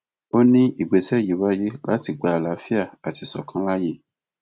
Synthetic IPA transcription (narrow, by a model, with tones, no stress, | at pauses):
o˦nĩ˦i˦˨ɡ͡be˨˦sɛ˦˨ji˨˦wa˦je˦la˦ti˧˨ɡ͡ba˨˦˨la˨˦fi˦a˦˨a˨ti˨˧sɔ̰˨kʰã˧˦la˦je˦˨